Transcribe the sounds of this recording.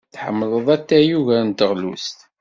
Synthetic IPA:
θħə̰mːləðˤæt̪ːæjuʝænt̪əʁlṵst̪

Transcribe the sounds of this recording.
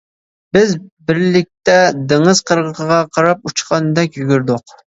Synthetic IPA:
bɪzbɪɾlɪk̚ʲt̪ɛd̪eŋəz̥qʰəɾʁəqʰəʁɑqʰɑɾɑp̚ut͡ʃqʰɑnɨd̪ɛkʲjyɡʲyɾd̪ʊq

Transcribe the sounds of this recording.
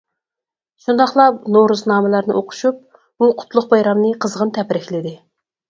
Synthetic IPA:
ʃund̪ɑχlˠɑpnoɾuznɑːmɪlˠɑɾnɨʔoqʰʊ̥ʃup̚ | buqʰʊ̥t̪lˠʊq̚bɑjɾɑmnɨqʰəzʁənt̪ʰɛpɾɪkʲlɪd̪ɪ

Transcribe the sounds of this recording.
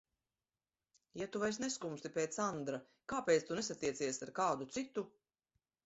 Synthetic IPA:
jat̪uvajsneskumst̪ipʲeːt̪sand̪ɾa | kaːpeːt̪st̪unesat̪ːiɛt̪siɛsaɾkaːd̪ut̪sit̪u

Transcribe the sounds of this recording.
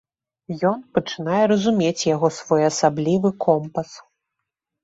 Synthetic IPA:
jɔnpɐt͡ʂɨnajɛɾɐzumʲet͡sʲjaɣɔsvɔjɐsablʲivɨkʰɔmpɐs

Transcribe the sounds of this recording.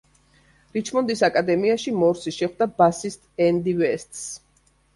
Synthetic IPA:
ɾit͡ʃʰmɔnd̪isakʼad̪ɛmiaʃimɔɾsiʃɛχd̪abasist̪ʼɛnd̪ivɛst̪ʼs

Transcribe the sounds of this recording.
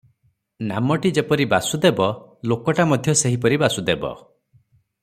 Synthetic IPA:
na̰mɔʈid͡ʒepɔɾibasud̪ebɔlokɔʈamɔd̪ʱjɔseɦipɔɾibasud̪ebɔ̰

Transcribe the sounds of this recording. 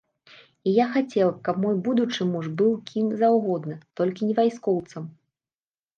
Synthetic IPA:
ijaxat͡sʲɛlˠkɐpmɔjbud̪ut͡ʂɨmuʐbɨwkʲʰinzawɣɔd̪nɨt̪ɔlʲkʲinʲɛvajskɔwt̪sɐm

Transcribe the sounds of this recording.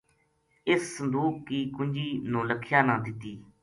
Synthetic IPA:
ɪsːənd̪uːkːiːkʊɲd͡ʒiːnũːləkʰːjaːnãːd̪ɪt̪ːiː

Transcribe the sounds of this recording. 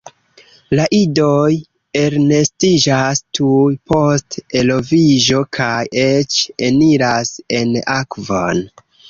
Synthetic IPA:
laʔidoj | e̞ɾne̞stid͡ʒastʰujpo̞ste̞lo̞vid͡ʒo̞kʰajet͡ʃe̞niɾase̞nakvo̰n

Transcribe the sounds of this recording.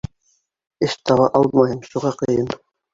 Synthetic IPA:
ɘʃt̪ɑβɑʔɑlˠmɑɦɤmʃuʁɑqɤ̆jɤm

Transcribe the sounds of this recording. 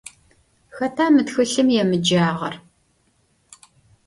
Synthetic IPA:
xɐtʰaːmɨtxɨɬɨmjɛmɨd͡ʒaːʁɐr

